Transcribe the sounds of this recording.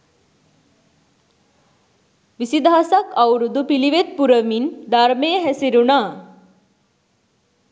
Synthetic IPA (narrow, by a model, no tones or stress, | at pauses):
ʋisid̪ʱaːsakawɾud̪upiliʋet̪̚puɾəmind̪aɾmeɦɛsiɾuna